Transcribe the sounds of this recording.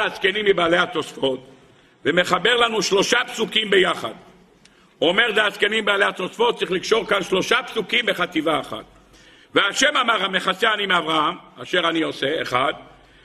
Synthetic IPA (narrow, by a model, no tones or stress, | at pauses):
askenimːibaːle̞hat͡sosfo̞t̪ | veme̞χabeʁlanuʃlo̞ʃapsukimbejaχa̰d̪ | ome̞ʁzeaskenimbaːlehat͡so̞sfot̪ːsʁiχlikʃo̞ʁkanʃlo̞ʃapsukimbe̞χat̪ivaeχa̰t̪̚ | veaʃe̞mamaʁame̞χaseanimeavʁaɦamaʃe̞ʁanio̞seːχad̪